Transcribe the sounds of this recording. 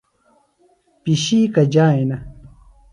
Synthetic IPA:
piɕiːkad͡ʑaːjna

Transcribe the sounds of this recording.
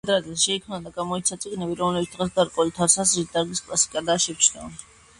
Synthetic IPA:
d̪ɾazɛsʃɛikʰmnad̪aɡamɔit̪sʰat̪sʼiɡnɛbiɾɔmlɛbit̪d̪ʁɛsɡaɾkʼɔlit̪ʰaɾsazɾid̪ʼaɾɡiskʼlˠasi̥kʼad̪aːʃɛft͡ʃʰnɔ

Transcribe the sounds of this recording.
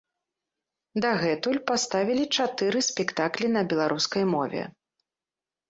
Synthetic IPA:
d̪aɣɛt̪ulʲpast̪avʲilʲit͡ʂat̪ɨɾɨsʲpʲɛkt̪aklʲinɐbʲɛlˠaɾʔuskɐjmɔvʲɛ̰

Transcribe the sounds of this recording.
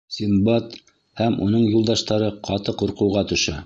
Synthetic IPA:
sʲimbɑt̪ | hæmṵnɤɴjulˠd̪ɑʃt̪ɑɾɤqʰɑt̪ɤquɾqɤ̆wʁɑt̪ɵ̆ʃɤ

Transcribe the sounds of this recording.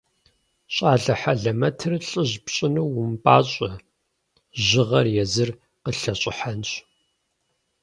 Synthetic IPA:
ɕʼaːɮɐħaɮɐmɐtʰɨrɬʼɨʑpɕʼɪnɨwʊmpʼaːɕʼɐ | ʑɪʁɐrjɛzɨr | qəɬɐɕʼɪħanɕ

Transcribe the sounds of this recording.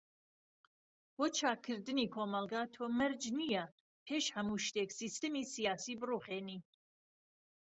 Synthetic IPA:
b̥oːt͡ʃʰaːkʰːɨɾd̪ɨniːkʰoːmɑlˠɡaːt̪ʰoːmɐɾd͡ʒnijɛ | pʰeːʃhɐmuʃt̪eːksist̪ɨmiːsijaːsiːbɨruːχeːniː

